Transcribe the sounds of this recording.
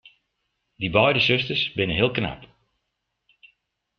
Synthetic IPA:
dibɔjdəsøstərsbɪnəɦɪəlˠkna̰p

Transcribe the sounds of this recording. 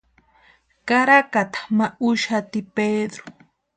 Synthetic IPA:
kaɾakat̪ḁmaʊʃat̪ɪped̪ɾo̥

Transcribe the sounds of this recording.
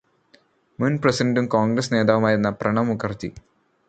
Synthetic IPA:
munprɐsidɐndumkoːŋɡrɐsne̞ːd̪aːʋumaːjiɾunːɐprɐɳɐmukʰːɐrt͡ɕːḭ

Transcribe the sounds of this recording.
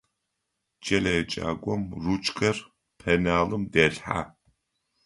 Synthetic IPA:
d͡ʒʼɐlɐjɛt͡ʃʼa̰ːɡʷʼɔmrut͡ʃʼkʰʼɐr | pʰɐnaːlɨmdɐːɬħa̰ː

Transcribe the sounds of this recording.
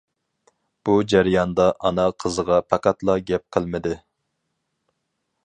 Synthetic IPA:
b̥ud͡ʒæɾjɑnd̪ɑʔɑnɑqʰəzəʁɑpʰæqæt̪lˠɑɡʲɛp̚qʰəlˠmɪd̪ɨ

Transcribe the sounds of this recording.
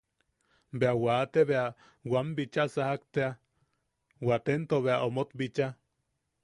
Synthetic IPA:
beawaːt̪eβea | wambit͡ʃasahak̚t̪ea | wat̪ent̪oβeaʔomot̪bit͡ʃa

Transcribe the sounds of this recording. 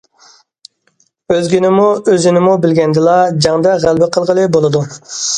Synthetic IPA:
øzɡʲinɪmuøzɪnɪmubɪlɡʲɛnd̪ɪlˠɑd͡ʒɑŋd̪ɛʁælˠbɪqʰəlˠʁəlˠɨbolˠɨd̪u

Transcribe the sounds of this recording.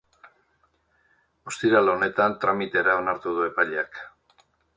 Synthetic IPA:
o̞st̪iɾalo̞ne̞t̪ant̪ɾamit̪e̞ɾao̞naɾt̪uðue̞paʎeak

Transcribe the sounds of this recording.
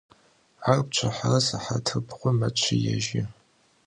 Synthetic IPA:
arp̚t͡ʃʷʰɐħarɐsaħatʰɨbʁʷɔmɐt͡ʃʷʰɪjɛʒɪ

